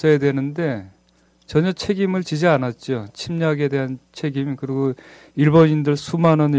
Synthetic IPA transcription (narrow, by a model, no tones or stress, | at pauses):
ʌedwe̞nɯnde̞ | t͡ɕʌɲʌt͡ɕʰe̞ɡimɯɭt͡ɕid͡ʑianat̚t͡ɕ͈ot͡ɕʰimɲaɡe̞de̞ɦant͡ɕʰe̞ɡimkɯɾiɡo | iɭbonindɯɭsʰumanʌn